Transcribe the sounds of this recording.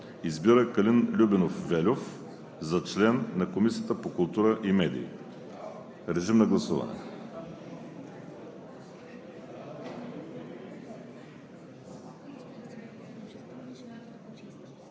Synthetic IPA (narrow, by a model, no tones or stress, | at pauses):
izbiɾəkɐlinlʲubɛnofvɛlʲof | zɐt͡ʃlɛnːɐkomisijət̪əpokʊlˠt̪uɾəʔimɛd̪ḭː | ɾɛʒimnɐɡlˠɐsuvɐ̰nɛ̰